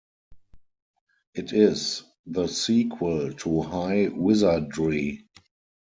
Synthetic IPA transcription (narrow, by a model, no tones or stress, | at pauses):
ʔɪtɪz | ðəsiːkʰwəltʰuhaɪwɪzə˞dɹiː